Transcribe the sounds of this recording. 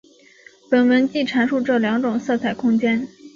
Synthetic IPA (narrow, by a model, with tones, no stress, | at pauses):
pə˨˩nwə˧˥nt͡ɕi˥˩ʈ͡ʂʰa˧˥nʂu˥˧ʈ͡ʂɤ˥˩ljɑ˧˥ŋʈ͡ʂʊ˨˩ŋsɤ˥˧t͡sʰa˨˩ɪkʰʊ˥ŋt͡ɕjɛ˥n